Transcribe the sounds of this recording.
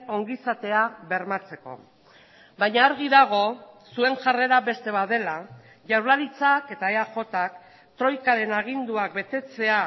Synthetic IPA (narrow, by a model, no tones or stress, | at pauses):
o̞ŋɡisat̪e̞aβe̞ɾmat͡se̞ko̞̰ | bajɲaːɾɣ̞iðaɣ̞o̞sue̞ŋʝare̞ɾaβe̞st̪e̞βaðe̞la | ʝawlaɾit͡sake̞t̪aeaxo̞t̪ak | t̪ɾo̞jkaɾe̞naɣ̞ind̪uak̚be̞t̪e̞t͡se̞a